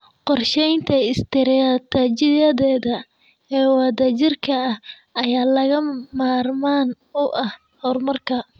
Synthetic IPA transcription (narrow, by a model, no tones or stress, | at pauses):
qɔrʃɛjnt̪ʰɐɪst̪ʰɛɾɛɐt̪ʰɐt͡ʃɪɐðɛːðɐ | ɛːwɑðɐt͡ʃɪrkʰɐɐh | ʔɐjaːlɐɣɐmaːrmaːn | ʊʔɐh | hɔːrmɐrkʰɐ